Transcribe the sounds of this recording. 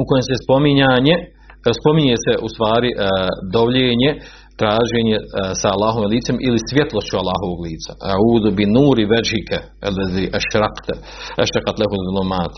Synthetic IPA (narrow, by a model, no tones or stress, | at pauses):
uko̞jemsespo̞miɲaːɲe | spo̞miɲeːseʔust̪ʋaːɾiʔd̪oʋʎeːɲe | t̪ɾaːʒe̞ːɲesaːlːaːɦoʋimliːt̪se̞mʔilisʋjet̪lˠo̞st͡ɕualːaːɦoʋoːɡliːt̪sḁauːd̪ubinuːɾiʋad͡ʒhikʰa | alːɛðiːʔaʃɾɑqt̪ | ʔa̰ʃɾaqɑt̪laɦuðulumaːt̪